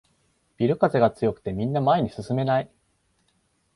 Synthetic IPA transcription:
b̥ʲiɾɯ̟kazeɡat͡sɨjo̞kɯ̟̥t̪e̞mʲĩnːamae̞ɲ̟isɨsɨme̞nai

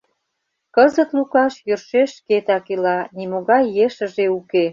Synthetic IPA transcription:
kəzət̪lukɑʃjørʃeʃket̪ɑkilɑnimoɣɑjːeʃə̆ʒeuke

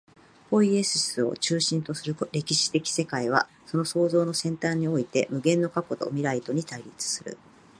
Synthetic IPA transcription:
ho̞ie̞sɨsɨo̰t͡ɕɨːɕĩnt̪o̞sɨɾɯ̟kɾe̞kʲiɕi̥t̪e̞kʲi̥se̞kaiβ̞a̰ | so̞no̞so̞ːzo̞ːno̞sẽ̞nt̪aːɲ̟ːio̞it̪e̞mɯ̟ɡẽ̞nːo̞kako̞t̪o̞̰mʲiɾait̪o̞ɲ̟it̪aiɾʲit͡sɨ̥sɨɾɯ̟̰

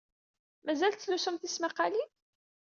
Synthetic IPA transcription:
mæzælt̪ːlusumθismaqːali

